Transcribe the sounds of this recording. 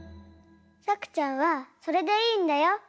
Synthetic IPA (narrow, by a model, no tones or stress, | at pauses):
sʰakʰɯ̥t͡ɕ͈awasʰʌɾedeiːndejo